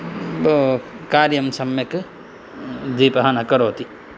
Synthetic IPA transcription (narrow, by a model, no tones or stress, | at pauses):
bokaːɾjəmsɐmːek | d̪ipɦanakɐɾoːt̪i